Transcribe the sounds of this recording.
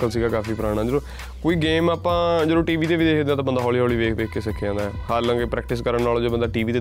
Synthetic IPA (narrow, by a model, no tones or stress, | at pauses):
əlsiːɡaːkaːfiːpəɾaːɽ̃aːd͡ʒəɾõː | koːiːɡeːmaːpãːd͡ʒəɾõːʈiːʋiːt̪eːʋid̪eːkʰd̪ẽːaːt̪ãbənd̪aːɦɔːliːɦɔːliːʋeːkʋeːkːeːsəkʰːãːd̪aːɦɛhaːɾlə̃ŋɡepɾɛːk̚ʈɪskəɾəɳnaːloːd͡ʒeːbənd̪aːʈiːʋiːt̪eː